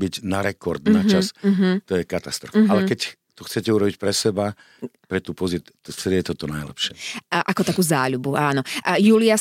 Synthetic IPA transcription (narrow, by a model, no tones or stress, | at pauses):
biɟnaɾɛkɔɾd̪nat͡ʃasɦt̪ɔjɛkat̪ast̪ɾɔfalɛkɛc | t̪ɔxt͡sɛcɛuɾɔbicpɾɛsɛba | pɾɛt̪uːpɔzisɾɛt̪ɔt̪ɔnajlɛ̰pʃɪɛʔakɔt̪akuːzaːʎubuʔaːnɔjuːlɪa